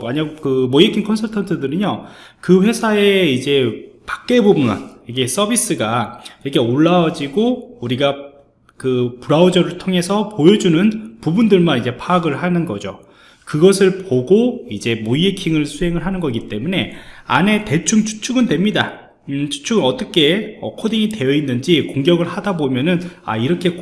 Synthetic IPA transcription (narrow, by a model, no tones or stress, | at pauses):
maɲakɯmojekʰiŋkʰʌnsʰʌtʰʌntʰɯdɯɾɯɲokɯɸwe̞sʰae̞id͡ʑe̞pḁk̚k͈e̞boma̰niɡes͈ʌbis͈ɯɡaiɾʌkʰe̞oɭːaʌd͡ʑiɡouɾiɡa | kɯpuɾaud͡ʑʌɾɯɭtʰoŋɦe̞sʰʌpojʌd͡ʑunɯnpubundɯɭmanid͡ʑe̞pʰaɡɯɭɦanɯnɡʌd͡ʑo̰ | kɯɡʌsʰɯɭpoɡoid͡ʑe̞mojekʰiŋɯɭsʰuɦe̞ŋɯɭɦanɯnɡʌɡit͈e̞mune̞a̰ne̞te̞t͡ɕʰuŋt͡ɕʰu̥t͡ɕʰuɡɯndwe̞mɲida | t͡ɕʰu̥t͡ɕʰuɡɯnʌt͈ʌkʰe̞ʌ̰kʰodiɲite̞jʌinːɯnd͡ʑikoŋɡjʌɡɯɭhadabomjʌnɯna̰iɾʌkʰe̞